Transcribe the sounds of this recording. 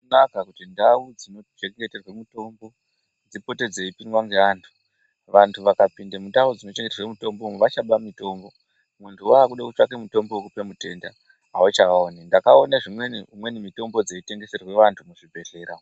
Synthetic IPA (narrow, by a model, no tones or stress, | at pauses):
unakakutindaud͡zino̞t͡ʃeŋɡeterwemuto̞mbo̞ | d͡zipo̞te̞d͡zeipinwaŋɡeaːntʰu̥ | ʋantʰuʋakapindamundaud͡zino̞t͡ʃeŋɡeterwemuto̞mboumuʋat͡ʃaɓamito̞ːmbo̞ | muntʰuaːkuɗakut͡ʂakemuto̞mbouk̬upemute̞nda | ɦaut͡ʃaoːnindakaonaʐimweniumwe̞nimito̞mbo̞d͡zeite̞ŋɡe̞se̞rwe̞ʋantʰumuʐibʱe̞ɮe̞ːɾa